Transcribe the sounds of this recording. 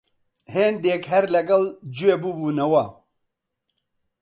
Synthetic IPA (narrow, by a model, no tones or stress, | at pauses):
heːnd̪eːkɦɐɾlɐɡɐld͡ʒuweːbubuːnɐwɐ